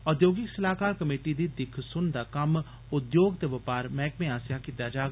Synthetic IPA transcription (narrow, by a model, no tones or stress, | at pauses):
ɔd̪joːɡɪksəlaːkaːɾkəmeːʈiːd̪iːd̪ɪkʰsʊnd̪aːkəm | ʊd̪joːɡt̪eːʋəpaːɾmɛ̃ːkmẽːaːsjaːkɪt̪jaːd͡ʒaːɡ